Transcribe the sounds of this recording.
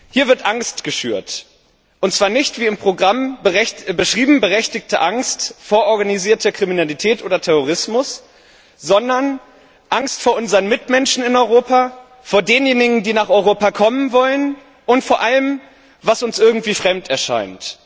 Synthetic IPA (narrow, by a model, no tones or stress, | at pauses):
hiːɐvɪɐtʔaŋstɡ̥əʃy̰ːɐt | ʔʊntt͡sv̥aːɐnɪçtv̥iːɪmpʁ̥oɡʁam | bəʃʁ̥iːbm̩bəʁɛçtɪktəʔaŋstfoːɐʔɔɐɡaniziːɐtʰəkʁ̥iminalitʰɛːtʔoːdɐtʰɛʁ̞oʁɪsmʊs | z̥ɔndɐn | ʔaŋstfoːɐʔʊnzəʁənmɪtmɛnʃn̩ɪnɔʏʁoːpa | foːɐdeːnjeːnɪɡŋ̩diːnaːχʔɔʏʁ̞oːpakʰɔmənvɔlən | ʔʊntfoːɐʔaləm | vasʊnsʔɪɐɡŋ̩tv̥iːfʁ̥ɛmtɛɐʃa̰ɪnt